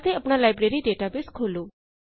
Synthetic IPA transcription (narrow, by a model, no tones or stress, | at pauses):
t̪eəpɳ̃alaːjbɾeɾiɖeːʈabɪskʰoːloː